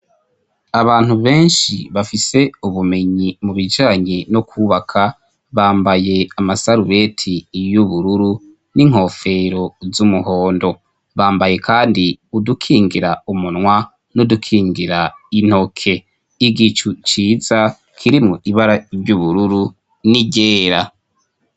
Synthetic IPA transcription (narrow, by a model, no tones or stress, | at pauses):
aβaːn̥huβe̞ːnʃiβafise̞uβume̞ɲimuβid͡ʒaːɲinokʰuːβakʰa | βaːmbaje̞amasaɾuβe̞tʰijuβuɾuɾu | niŋ̥o̞ːfe̞ɾozumuho̞ːndo̞ | βaːmbaje̞kʰaːndiudukʰiːŋɡiɾaumunŋwa | nudukʰiːŋɡiɾain̥ho̞kʰe̞ | iɡit͡ʃut͡ʃiːza | kʰiɾimuiβaɾavɟuβuɾuɾu | niɟeːɾa